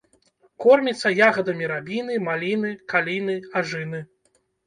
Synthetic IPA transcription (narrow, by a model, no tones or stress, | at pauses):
kɔrmʲit̪sːɐjaɣɐd̪ɐmʲiɾabʲinɨmalʲinɨkalʲinɨaʐɨnɨ